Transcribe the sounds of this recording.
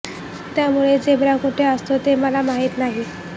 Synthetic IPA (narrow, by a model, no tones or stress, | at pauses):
t̪jamuɭed͡zeʋɾakuʈʰeəst̪ot̪eməlamaɦit̪naɦi